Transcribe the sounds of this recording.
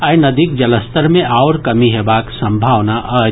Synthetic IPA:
aːjnɐd̪ik̚d͡ʒɐləst̪əɾmẽawɾkɐmiɦebaːksɐ̃mbʱaːʋnaʔɐ

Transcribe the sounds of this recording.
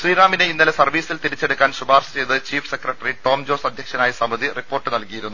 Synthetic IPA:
ʃriːɾaːmineinːɐlesɐrʋiːsilt̪iɾit͡ɕːe̞ɽukːaːnsubaːrsɐ̥t͡ɕe̞jt̪ɨt͡ɕiːfsekrɐʈːɐriʈo̞ːmd͡ʑoːsɐd̪ʱjɐkʂɐnaːjɐsɐmɐd̪iripːo̞ːrʈːɨnɐlkijiɾunːu

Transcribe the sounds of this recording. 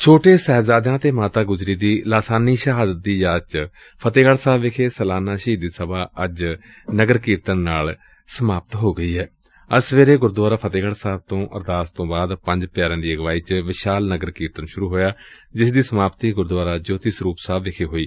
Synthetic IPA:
t͡ʃʰoːʈeːsɛːzaːd̪jãːt̪eːmaːt̪aːɡʊzɾiːd̪iːlaːsaːniːʃəɦaːd̪ət̪̚d̪iːjaːd͡ʒt͡ʃ | pʰət̪eːɡəɽsaːbʋɪkʰeːsəlaːnaːʃiːd̪iːsəbaːəd͡ʒ | nəɡəɾkiːɾt̪ənːaːl | səmaːp̚t̪ɦoːɡəiːɦɛː | əsʋeːɾeːɡʊɾd̪ʋaːɾaːpʰət̪eːɡəɽsaːb̚t̪õːʔə̰ɾd̪aːst̪õːbaːd̪pə̃ɲd͡ʒpjaːɾãːd̪iːəɡʋaːiːt͡ʃʋɪʃaːlnəɡəɾkiːɾt̪ənʃʊɾuːɦoːjaː | d͡ʒɪsd̪iːsəmaːpt̪iːɡʊɾd̪waːɾaːd͡ʒoːt̪iːsɾuːpsaːbʋɪkʰeːɦoːiː

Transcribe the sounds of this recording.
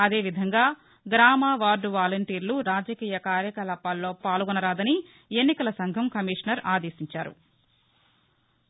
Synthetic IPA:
ɐd̪e̞ːʋid̪ʱɐŋɡaː | ɡɾaːmaːʋaːɾɖʋaːlɐɳʈiːɾluɾaːd͡ʒɐkiːjɐkaːɾjɐkɐlɐpalːoːpaːlɡɔnɐɾaːd̪ɐni | e̞nːikɐlɐsɐŋɡʱɐmkɐmiːʂnɐɾaːd̪eːsiɲt͡ʃaːɾṵ

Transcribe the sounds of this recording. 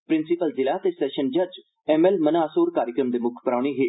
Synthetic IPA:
pɾɪnsɪpəlzɪlaːt̪eːsɛːʃənd͡ʒəd͡ʒ | ɛːmɛlmənaːsoːɾkaːɾjəkɾəmd̪eːmʊkʰpəɾaːɽ̃eːɦeː

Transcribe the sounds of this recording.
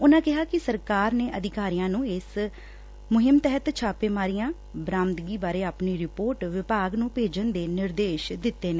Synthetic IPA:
ʊnãːkɪɦaːkɪsəɾkaːɾneːʔəd̪ɪkaːɾijãːnũːɪs | mʊɦɪmt̪ɛɦət̪t͡ʃʰaːpeːmaːɾijãː | bɾãːmt̪ɡiːbaːɾeːaːpniːɾɪpoːɾʈʋɪpaːɡnũːpeːd͡ʒənd̪eːnɪɾd̪eːʃd̪ɪt̪ːeːnẽː

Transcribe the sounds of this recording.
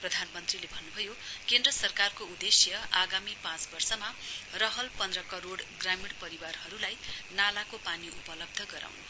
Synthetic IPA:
prʌd̪ʱanmʌnt̪rilebʱʌnːubʱʌjokend̪rʌsʌrkarkoud̪esjʌaɡamipãt͡sbʌrsʌmarʌɦʌlpʌnd̪rʌkʌɾoɽɡramiɽpʌɾiwarhʌɾulajnalakopaniʔupʌlʌb̚d̪ʱʌɡʌɾa̰wnʌ

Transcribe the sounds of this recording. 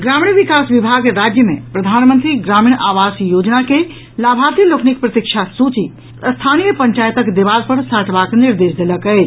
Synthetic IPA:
ɡɾaːmiɳʋikaːsʋɪbʱaːɡɾaːd͡ʒjəmḛ̃pɾɐd̪ʱaːnmə̃nt̪ɾiɡɾaːmiɳ̃ʔaːʋaːsjoːd͡ʒnake | laːbʱaːt̪iloknikpɾət̪ikʃʰasuːt͡ʃi | əst̪ʰaːnijəpə̃ɲt͡ʃaːjt̪əkd̪eʋaːlpəɾsaːʈʰʋaːknɪɾd̪eːʃd̪eləkəe

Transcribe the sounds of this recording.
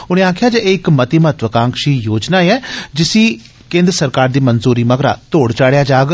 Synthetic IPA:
ʊñẽːaːkʰjaːd͡ʒeɪkmət̪iməət̪ʋəkãːŋkʃiːjoːd͡ʒnaːeɛːd͡ʒɪsiː | kẽːnd̪ɾəsəɾkaːɾd̪iːmənzuːɾiːməɡɾa̰ːt̪oːɽt͡ʃaːɽjaːd͡ʒaːɡ

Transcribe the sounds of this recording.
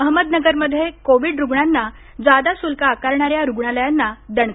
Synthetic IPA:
əɦməd̪nəɡəɾməd̪ʱːjekoʋiɖɾuɡɳanːa | d͡zad̪asulkaːkaɾɳaɾjaɾuɡɳaləjanːad̪əɳ

